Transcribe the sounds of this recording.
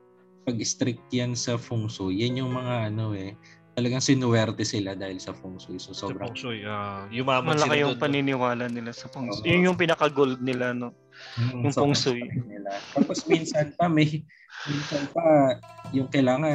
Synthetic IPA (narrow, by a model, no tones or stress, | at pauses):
pɐɡɪst̪ɾɪk̚t̪jansɐfʊŋsʊjːɐnjʊŋmɐŋaʔɐno̞ʔɛ | t̪ɐlɐɡaŋsɪnʊwɛɾt̪ɛsɪlad̪aːhɪlsɐfuŋsʊjsɐsoːbɾɐŋsʊjajʊaːmmɐlɐkajʊŋpɐnɪnɪwaːlɐnɪlasɐpʊŋjʊŋjʊŋpɪnɐkɐɡold̪̚nɪlano | ʊŋʊŋsʊjnɪlat̪aːposminsɐnpɐmɐj | minsɐnpɐjʊŋkɐjlaːŋɐ